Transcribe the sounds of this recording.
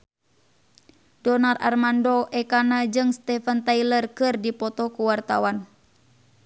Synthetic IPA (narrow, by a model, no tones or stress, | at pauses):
dɔnara̰rmandɔʔɛkanad͡ʒɨŋst̪ɛfant̪ailərkɨrdipɔt̪ɔkuwart̪a̰wan